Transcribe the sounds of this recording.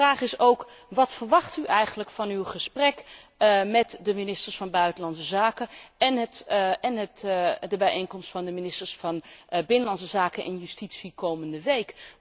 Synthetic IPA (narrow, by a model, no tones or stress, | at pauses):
raːχɪsowk | ʋɑtfərʋɑχtyʔɛjχənləkfɑnywχəsprɛkmɛtdəminɪstəɹsfɑnbœɥtənlɑnsəzaːkəɛnɦtɛnɦətdəbɛjʔejnkɔmstfɑndəminɪstəɹsfɑnbɪnənlɑnsəzaːkənʔɪ̰njystitsikowməndəʋejk